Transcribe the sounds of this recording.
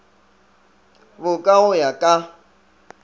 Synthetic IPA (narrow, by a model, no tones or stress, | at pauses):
βʊkʼaɣʊjakʼa